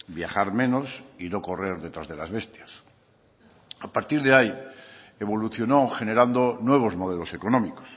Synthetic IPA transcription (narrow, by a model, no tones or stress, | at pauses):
bja̰χaɾmẽ̞nosino̞ko̞re̞ɾðe̞t̪ɾazðe̞lazβe̞st̪jas | apaɾt̪iɾðeaieβ̞o̞luθjo̞noχe̞ne̞ɾand̪onwe̞β̞o̞zmo̞ð̞elo̞se̞ko̞nõ̞miko̥s